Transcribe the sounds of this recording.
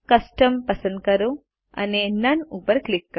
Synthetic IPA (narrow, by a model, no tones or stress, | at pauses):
kɐsʈəmpəsənd̪̚kəɾũ | a̰nenənupəɾklikːə